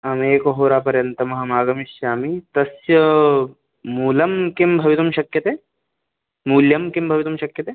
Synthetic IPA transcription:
ɐmeːkoɦoːɾaːpɐɾjɐnt̪ɐmɐɦɐmaːɡɐmiʃjaːmit̪ɐsjɐ | muːlɐmkembʱɐʋit̪umʃɐkjɐt̪eː | muːljɐmkimbʱɐʋit̪umʃɐkjɐt̪eː

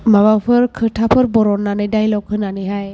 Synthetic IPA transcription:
mabapʰɯɾkʰɯtʰapʰɯɾbɔɾɔnːanɛdajlɔkʰɯnaniɦaj

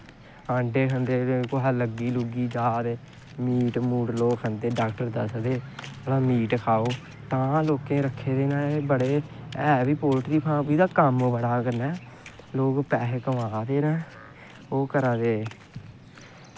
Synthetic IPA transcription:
ãːɳɖeːɦənd̪eːkoɦaːləɡiːluɡiːd͡ʒaːd̪eː | miːʈmuːʈloːkɦənd̪eːɖaːkʈəɾd̪əsd̪eːd͡ʒəɽãːmiːʈkʰaːoː | t̪ãːloːkẽːɾəkʰːeːd̪eːnaːeːbəɽeːɛːbiːpoːlʈɾiːpʰãːpiːd̪aːkəmbəɽaːkəɾnɛː | loːkpɛːɦkəʋaːd̪eːɾɛ̃ː | oːkəɾaːd̪eː

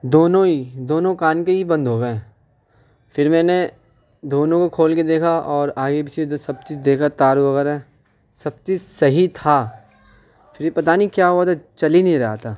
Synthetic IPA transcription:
d̪oːnõid̪oːnõkaːnkeɦibɐ̃nd̪ɦoːɡɐɛ̃ː | fɪɾmɛ̃ːne | d̪oːnõkokʰoːlked̪eːkʰaɔːɾaːɡebɪt͡ʃʰeosɐb̚t͡ʃit͡ʃd̪eːkʰat̪aːɾuʋɐɣɛːɾɦɛ | sɐb̚t͡ʃisɐɦit̪ʰa | fʰɪɾpɐt̪aːnikjaːɦoat̪at͡ʃɐlinĩɾɐɦat̪ʰaː

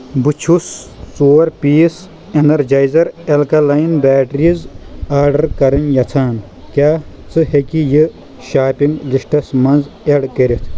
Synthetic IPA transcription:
but͡ʃʰusːuːɾpiːs | enɐɾd͡ʒɐjzɐɾelkɐlɐjinbaːʈɐɾizaːɾɖɐɾkɐɾɐnjɐt͡sʰaːn | kʲaː | t͡sʰɨhekijɨ | ʃaːpiŋɡliʂʈɐsmɐnzeɽkeɾit̪ʰ

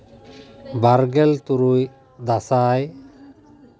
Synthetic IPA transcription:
baɾɡɛlt̪uɾuj | d̪asaj

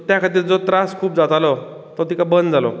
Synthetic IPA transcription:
t̪jãkʰat̪iːɾd͡zot̪ɾaskʰuːpd͡zat̪alɔ | t̪ɔt̪ikabənd̪d͡zalɔ̰

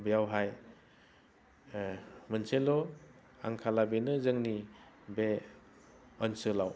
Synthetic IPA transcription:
bijawɦaj | mɯnselɔ | a̰ŋkʰalabenɯzɯŋni | be | ɔnsɯlaw

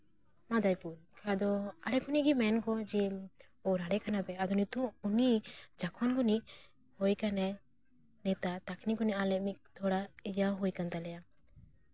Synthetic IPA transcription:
mad̪ajpulkʰad̪ɔaɽɛɡuniʔɡimɛnkɔd͡ʒi | ɔɾaɽɛkanapɛad̪ɔnit̪ɔunid͡ʒakʰɔnɡuniʔ | hɔjkanɛ | nɛt̪at̪akniɡɔniʔalɛʔ̚mik̚t̪ʰɔɽaijaɦujkant̪alɛja

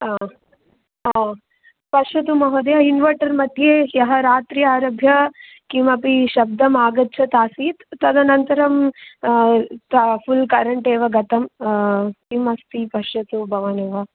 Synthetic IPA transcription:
pɐʂɐt̪̬umɐɦod̪eɦɐinʋɐɾʈɐɾmɐt̪jeːjɐɦɐɾaːt̪ɾiaːɾɐbʱjɐ | kimɐpiʃɐb̚d̪ɐmaːɡɐtːt͡ʃʰɐt̪aːsiːt̪ːɐd̪ɐnɐnt̪ɐɾɐm | t̪ɐpʰulkɐɾɐɳʈeːʋɐɡɐt̪ɐm | kimɐst̪ipɐʂɐt̪ubʱɐʋaːneːʋɐ

